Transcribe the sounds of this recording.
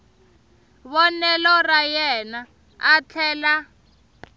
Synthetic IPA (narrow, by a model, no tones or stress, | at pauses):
βɔnɛlɔrajɛna | at͡ɬʰɛːla